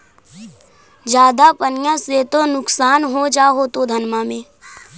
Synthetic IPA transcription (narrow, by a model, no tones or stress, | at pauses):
d͡ʒjaːd̪apənɪjãset̪onʊksaːnɦod͡ʒaːɦot̪od̪ʱənmamẽː